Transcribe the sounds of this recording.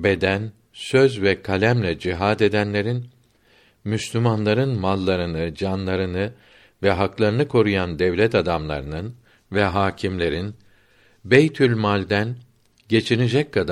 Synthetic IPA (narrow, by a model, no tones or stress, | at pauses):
be̞d̪æn | søzvɛkʰalʲæmlʲɛd͡ʒiɦaːd̪e̞d̪ænlʲe̞ɾin | myslʲymanlˠaɾɯnmalˠːaɾɯnɯd͡ʒanlˠaɾɯnɯ | vɛɦaklˠaɾɯnɯkʰo̞ɾujand̪ɛvlʲɛt̪ʰad̪amlˠa̰ɾɯnɯn | vɛɦaːcʰimlʲe̞ɾin | bejt̪ʰylʲmalʲd̪æn | ɟe̞t͡ʃʰinid͡ʒɛc̚kʰad̪